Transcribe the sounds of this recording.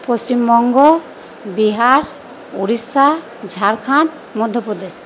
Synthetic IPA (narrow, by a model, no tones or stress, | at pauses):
posimbɔŋɡɔ | biɦaɾ | uɾisa | d͡ʒʱaɾkʰaɳʈ | mɔd̪ʱjɔpɾɔd̪es